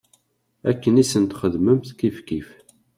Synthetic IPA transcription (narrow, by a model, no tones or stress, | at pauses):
ækːənisənt̪χəðməmθkifkif